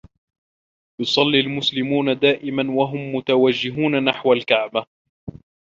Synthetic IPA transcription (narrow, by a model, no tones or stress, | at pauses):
jʊsˤɑlːiːlmʊslɪmuːnad̪aːʔɪmanwaɦʊmːʊt̪awad͡ʒːɪɦuːnanaħwalkaʕba